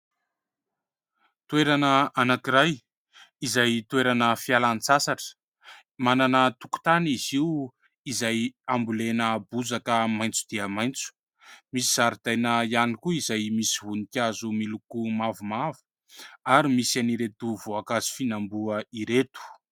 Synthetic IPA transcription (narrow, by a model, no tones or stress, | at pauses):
t̪ueɾanəanakiɾaj | izajt̪uweɾanəfialanit͡sasaʈ͡ʂə̥ | mananət̪uku̥t̪aniziw | izajambulenəbuzakəmajnt͡sud̪̥iəmajnt͡su̥ | misiz̥aɾid̪̥ajnəijanikuizajmisiɦunikʲazumilukumavumavu̥ | aɾimisaniɾet̪uvoakazi̥finambuəiɾet̪u̥